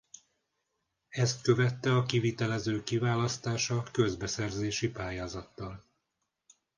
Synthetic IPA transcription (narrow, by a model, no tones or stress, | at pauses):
ɛst̪kø̞vɛt̪ːɛɒkivit̪ɛlɛzøːkivaːlɒst̪aːʃɒkø̞zbɛsɛrzeːʃipaːjaːzɒt̪ːɒl